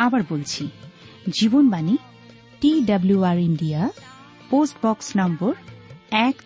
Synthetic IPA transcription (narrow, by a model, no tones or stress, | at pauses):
abaɹbolt͡ʃʰi | zibɔnbani | ʈidabljuaɹindija | posʈbɔksnambɔɹɛk